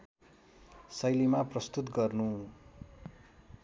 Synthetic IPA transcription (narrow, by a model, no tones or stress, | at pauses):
sʌjlimaprʌst̪ut̪ɡʌrnu